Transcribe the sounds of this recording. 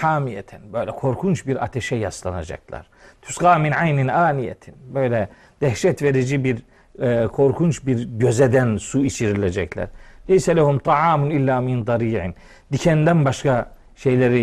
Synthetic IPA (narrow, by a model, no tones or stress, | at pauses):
ħaːmijɛ̰t̪ʰænbø̞jlʲɛkʰo̞ɾkʰunt͡ʃbiɾa̰t̪ʰɛʃɛjaslˠɑna̰d͡ʒa̰klˠɑ̰ɾ̥t̪ʰu̥sqɑːminʕajninʔaːnijɛ̰t̪ʰinbø̞jlʲɛ | d̪̥æhʃɛt̪veɾid͡ʒibiɾ | kʰo̞ɾkʰunt͡ʃbiɾɟø̞zɛd̪ænsuit͡ʃʰiɾilʲɛd͡ʒɛclʲæ̰ɾlɛjsɛlæhumt̪ʰɑʕaːmunilʲːaːmind̪ˤɑɾiːʕḭn | d̪icʰɛnd̪ænbaʃkʰa | ʃe̞jlʲeɾi